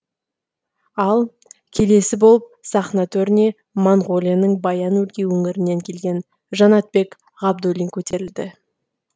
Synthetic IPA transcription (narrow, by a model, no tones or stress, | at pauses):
ɑlˠ | kʲʰe̞le̞sɪbolˠəp̚sɑχnɑt̪ʰɵɾɪne̞ | moɴʁo̞lʲijanəɴbɑjɑnwɵlɡʲe̞wɵŋɪɾɪnːe̞ŋkʲʰe̞lɡʲe̞n | ʒɑnɑt̪̚be̞k | ʁɑb̚d̪olʲiŋkʲʰɵt̪e̞ɾɪld̪ɪ